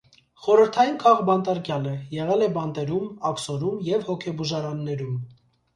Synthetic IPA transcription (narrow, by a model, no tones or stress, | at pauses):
χɔɾəɾt̪ʰɑjinkʰɑʁbɑnt̪ɑɾkjɑləjɛʁɛlɛbɑnt̪ɛɾumɑksɔɾumjɛvhɔkʰɛbuʒɑɾɑnːɛɾum